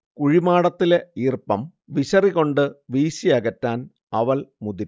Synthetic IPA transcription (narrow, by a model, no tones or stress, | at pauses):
kuɻimaːɽɐt̪ːile̞iːrpɐm | ʋiɕɐriɣo̞ɳɖɨʋiːɕiɐɣɐtːaːn | ɐʋɐlmuðiɾ